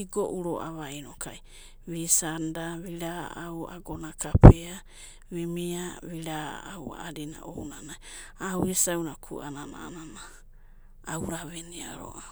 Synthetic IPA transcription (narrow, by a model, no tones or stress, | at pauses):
iɡoʔuɾo̰ʔa̰βajnokaj | βisandaβiɾaawa̰ɡonakapea | βimiaβiɾaawa̰ːdina̰ʔownanaj | awhisawnakʰṵʔa̰nana̰nanaː | wɾaβenia̰ɾo̰a